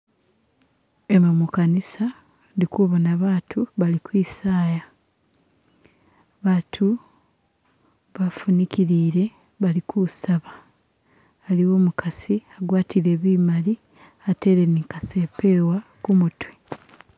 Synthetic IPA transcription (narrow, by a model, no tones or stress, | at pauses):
emamukanisa | ndikuβonaβaːtʰuβalikwiːsaːja | βaːtʰu | βafunikiɾiːɾe̞ | βalikusaβaː | liwo̞ːmukʰasiaɡwaːtiɾe̞ːβiːmali | ate̞ɾe̞niŋkasepe̞ːwakumutwi̥